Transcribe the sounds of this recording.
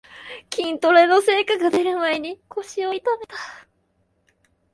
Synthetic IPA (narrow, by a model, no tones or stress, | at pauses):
kʲĩnt̪o̞ɾenose̞ːkaɡad̪e̞ɾɯ̟maeɲ̟iko̞ɕio̞it̪ame̞t̪ḁ